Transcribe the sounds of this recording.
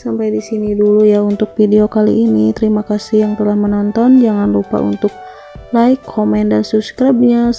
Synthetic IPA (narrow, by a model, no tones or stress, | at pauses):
sampajdisinidulujaunt̪ʊk̚fideokalḭːnit̪əɾimakasihjaŋt̪əlahmənɔnt̪ɔnd͡ʒaŋanrupa̰ṵnt̪ʊk̚ | laikʰːɔmɛndansubskɾab̚ɲa